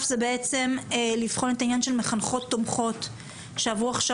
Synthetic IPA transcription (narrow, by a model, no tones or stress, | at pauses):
fzebeet͡se̞mlifχo̞netainjanʃe̞lmeχanχo̞t̪ːomχo̞t | ʃeavʁuaχʃa